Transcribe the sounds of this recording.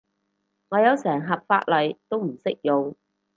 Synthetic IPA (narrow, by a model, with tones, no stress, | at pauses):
ŋɔː˨˧jɐ˨˧wsɛː˨˩ŋɦɐ˨p̚faː˧t̚lɐ˨jt̪o˥wm̩˨˩sɪ˥k̚jo˨ŋ